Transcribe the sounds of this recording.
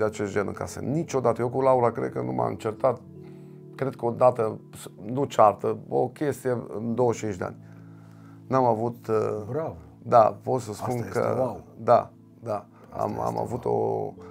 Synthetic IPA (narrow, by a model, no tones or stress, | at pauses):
eat͡ʃest̪d͡ʒenɨ̰ŋka̰sə̰nit͡ʃo̞d̪at̪əjewkulaulakɾe̞d̪̚kənuma̰mɨ̰nt͡ʃert̪at̪̚ | kɾe̞d̪̚kəo̞d̪at̪əsnut͡ʃart̪əo̞̰kʲe̞st̪ijeɨnd̪o̞wəʃt͡ʃint͡ʃd̪ea̰nʲ | namavut̪bɾav | d̪apo̞t̪səspunkə̰d̪a̰ | d̪a | a̰ma̰ma̰vut̪o̞̰